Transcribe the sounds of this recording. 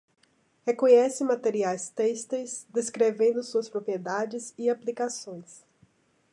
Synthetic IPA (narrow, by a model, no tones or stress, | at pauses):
hekõɲɛsɪmat̪eɾiajst̪est̪ejsd̪eskɾevẽnd̪ʊsuɐspɾopɾied̪ad͡ʒɪziaplikasõj̃s